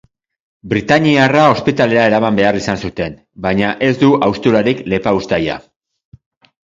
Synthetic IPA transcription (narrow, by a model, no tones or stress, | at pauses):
bɾit̪aɲiarao̞spit̪ale̞ɾae̞ɾamambe̞arisansut̪e̞n | baɲaʔe̞zd̪uʔawst̪uɾaɾikle̞paust̪aja̰